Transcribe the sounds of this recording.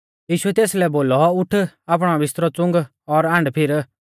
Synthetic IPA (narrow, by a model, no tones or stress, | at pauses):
jiːʃʊɛt̪eːslɛboːlɔʊʈʰaːp̬ɽ̃ɔbɪst̪ɾɔt͡sʊ̃ŋɡ | ɔɾãːɳɖpʰɪɾ